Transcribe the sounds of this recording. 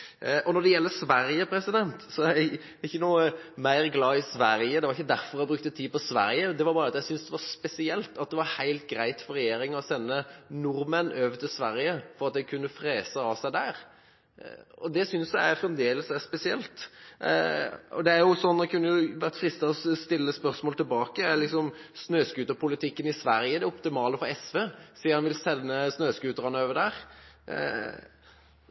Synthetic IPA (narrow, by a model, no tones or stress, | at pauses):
ʔɔnɔd̪ɛjɛlːəsʋæɾjəpʰɾɛsɪd̪ɛnt̪sɔæ | ɪçːənuːəmæɪɾɡlɑːɪsʋæɾjəd̪ɛʋɑɾɪçːəd̪æɾfɔɾæɪbɾʉk̚t̪ət̪ʰiːpɔsʋæ̰ɾjəd̪ɛʋɑɾbɑːɾəɑt̪jæɪsʏnsd̪ɛʋɑɾspɛsɪɛlt̪ɑt̪̚d̪ɛʋɑɾhæɪlt̪̚ɡɾæɪt̪fɔɾɛjeːɾɪŋɔsɛnːənʊɾmənøʋd̪əsʋæɾɪjəfɔɾɑt̪̚d̪æɪkʰʉnːəfɾeːsəɑʋsæɪd̪æːɾ | ɔd̪ɛsʏnsjæɪæfʁɛmd̪eːləsæspɛsɪɛlt̪ | ɔ̰d̪ɛæɾjʊsɔnːɛkʉnːəjʊʋæʁt̪fɾɪst̪əɔst̪ɪlːəspœɾsmoːlt̪ʰɪlbɑːkəæɾlɪksɔmsnøːskʉːt̪əpʰʊlɪt̪ʰɪkːənɪsʋæɾjəd̪ɛʊpt̪ɪmɑːləfɔɾɛsʋeːsiːhɑnʋɪlsɛnːəsnøːskʉːt̪əɾʁɑnəøːʋəd̪æːɾ